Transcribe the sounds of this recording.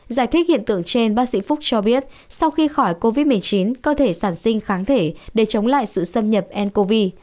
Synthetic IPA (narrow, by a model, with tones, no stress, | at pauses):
zaː˧˩jt̪ʰi˦˥hḭ˧˨ənt̪ɨ̰˧˨əŋt͡ɕe˧nɓaː˦˥t̚sḭ˧˥fʊ˦˥k͡p̚t͡ɕɔ˧ɓi˦˥ət̚ | sa˧wxi˧xɔ˧˩jko˧vi˦˥t̚mɨ˨˩əjt͡ɕi˨˦nkəː˧t̪ʰe˧˩saː˧˩nsï˧ŋ̟xaː˨˦ŋt̪ʰe˧˩ɗe˧˩t͡ɕə˨˦wŋ͡mla̰ː˧˨jsɨ̰˧˨sə˧mɲə˨˩p̚ʔɛ˧nko˧vi˧